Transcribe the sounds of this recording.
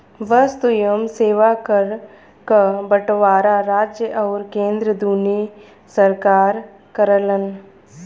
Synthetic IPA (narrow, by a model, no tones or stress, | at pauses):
bəst̪ʊjəmseːʋakəɾ | kəbəʈʋaːɾaɾaːd͡ʒjəʔɔːɾkẽːnd̪ɾəd̪ʱuːni | sɐɾkaːɾ | kəɾələn